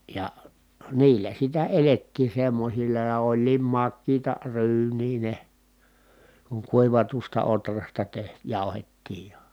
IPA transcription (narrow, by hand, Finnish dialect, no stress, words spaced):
jɑ niːlːæ sitæ eletːiː semːosilːɑ jɑ olʲliːm mɑkːiːtɑ ryːnˑiː ne kuŋ kuiʋɑtustɑ otrɑstɑ teh jɑˑu̞hetːiːj jɑ